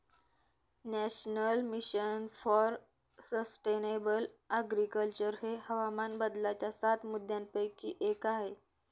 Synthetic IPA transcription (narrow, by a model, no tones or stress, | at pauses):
nɛɕnəlmiɕənfɔɾ | səsʈenebələɡɾikəlt͡ɕəɾɦehəʋamanbəd̪lat͡ɕjasat̪mud̪ʱjãmpəjkiːʔekaɦe